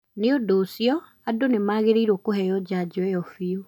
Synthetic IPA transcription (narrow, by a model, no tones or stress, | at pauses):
neodoːsjɔ | adonemaːɣeɾeiɾwɔkoɦɛjɔd͡ʑad͡ʑoɛjɔfio